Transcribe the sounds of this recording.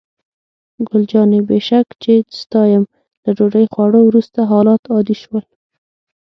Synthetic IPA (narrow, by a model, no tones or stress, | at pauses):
ɡʊld͡ʒɑnebeʃakt͡ʃed̪st̪ɑjəm | ləɖoɖəjxwɑɽowɾust̪aɦɑlɑt̪ɑd̪iʃwəl